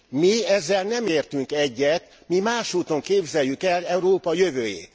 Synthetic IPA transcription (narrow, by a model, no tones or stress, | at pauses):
miɛzːɛlnɛmeːrt̪yŋkɛɟːɛt̪ | mimaːʃuːt̪o̞ŋkeːbzɛjːykɛlɛuɾoːpɒjø̞vøːjḛːt̪